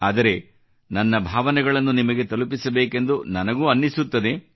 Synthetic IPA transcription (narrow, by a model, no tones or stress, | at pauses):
aːd̪ɐɾe̞ | nɐnːɐbʱaːʋɐnɛɡɐɭɐnːunimɐɡe̞t̪ɐlupisɐbeːke̞nd̪unɐnɐɡuɐnːisut̪ːɐd̪e̞